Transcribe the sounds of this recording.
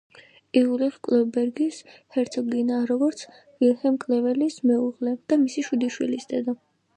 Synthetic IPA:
iulɛχkʼlɔbɛɾɡishɛɾt̪sʰɔɡinaɾɔɡɔɾt̪sʰ | vilhɛmkʼlɛvɛlismɛuʁlɛd̪̥amisiʃud̪iʃwilisd̪ɛd̪ɔ

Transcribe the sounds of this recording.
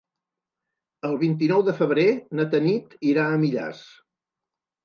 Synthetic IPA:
əlˠβint̪̬inɔwðəfəβ̞ɾenət̪ənit̪iɾaəmiʎa̰s

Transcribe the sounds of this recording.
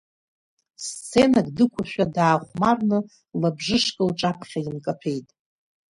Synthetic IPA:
st͡sʰe̞naɡʼdɨkʷʰʊʃʷᶣadaːχʷmarnɨ | labʐɨʂkʼɨlʈ͡ʂʼapʰχʲaimkʼapʰejtʼ

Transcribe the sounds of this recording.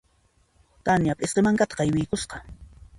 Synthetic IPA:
t̪anjapʼɪsqemaŋkat̪ɑ̥qɑjwɪjkʊsqɑ

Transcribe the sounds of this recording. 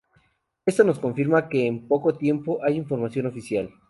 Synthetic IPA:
e̞st̪ono̞sko̞ɱfiɾmake̞ːmpo̞ko̞t̪je̞mpo̞ʔajiɱfo̞ɾmasjo̞no̞fisjal

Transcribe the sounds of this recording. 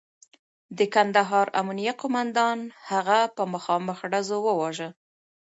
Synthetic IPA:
d̪əkand̪aɦɑɾa̰munijaqomand̪ɑnhaɣapəməxɑməxɖazowəwɑʒə

